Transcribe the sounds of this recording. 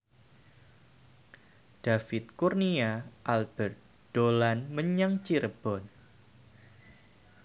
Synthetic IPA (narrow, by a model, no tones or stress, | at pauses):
d̥afɪt̪̚kurniaʔalbɛrt̪̚ | d̥olanməɲaŋt͡ʃiɾəb̥ɔn